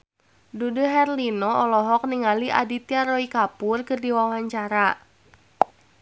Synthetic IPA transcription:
duduɦɛrlinɔɔlɔɦɔk̚niŋaliʔa̰dit̪iaɾɔikapurkɨrdiwawaɲt͡ʃaɾa

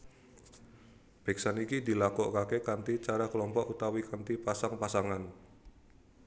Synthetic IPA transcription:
b̥e̤ksanikid̪i̤lakɔʔkakekant̪it͡ʃaɾaklɔmpɔʔut̪awikant̪ipasaŋpasaŋan

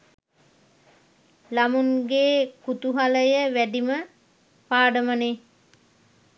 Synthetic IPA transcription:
lamunɡeːkut̪uɦaləjəʋæɖimə | paːɖəməne

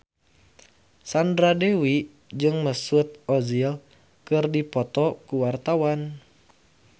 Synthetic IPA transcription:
sandɾadewi | d͡ʒɨŋməsut̪̚ɔzil | kɨrdipɔt̪ɔkuwart̪awan

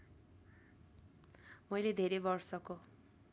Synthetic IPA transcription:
mʌjled̪ʱeɾebʌrsʌko

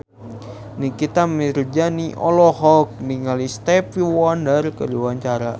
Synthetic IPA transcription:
nikit̪amird͡ʒaniʔɔlɔhɔk̚niŋalist̪ɛpiwɔndərkəduwaɲt͡ʃaɾa

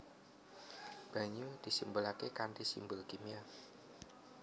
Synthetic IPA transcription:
b̥a̤ɲud̪̥i̤simbolakekanʈisḭmbʊlkimia

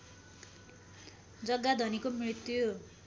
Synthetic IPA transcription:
d͡zʌɡːad̪ʱʌnikomrit̪jo

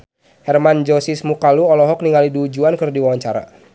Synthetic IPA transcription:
hɛrmand͡ʒɔsismukaluɔlɔɦɔk̚niŋɡaliduːd͡ʒuankɨrdiwawaɲt͡ʃaɾa̰

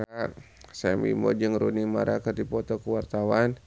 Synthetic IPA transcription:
a | sɛmḭmɔ̰d͡ʒɨŋɾunimaɾakərdipɔt̪ɔkəwart̪awan

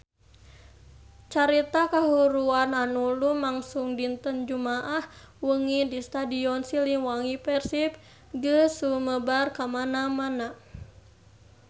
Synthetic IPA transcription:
t͡ʃaɾit̪akaɦuɾuananulumaŋsuŋdint̪ənd͡ʒumaʔah | wəŋidist̪adiɔnsiliŋwaŋipɛrsip̚ | ɡəsuməbarkamanamana

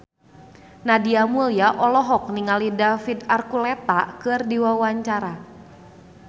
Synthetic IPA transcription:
nadiamuljaʔɔlɔɦɔk̚niŋalidafid̪arkulɛt̪akɨrdiwawaɲt͡ʃaɾa

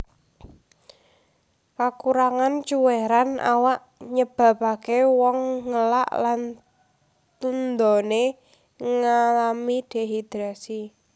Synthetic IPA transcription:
kakuɾaŋant͡ʃuweɾana̰waʔ | ɲəb̥a̤bakewɔŋːəla̰ʔlan | t̪und̪ɔne | ŋalamid̥e̤ɦid̪̥ɾasi

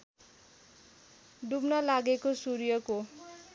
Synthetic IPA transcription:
ɖubnʌlaɡekosurjʌko

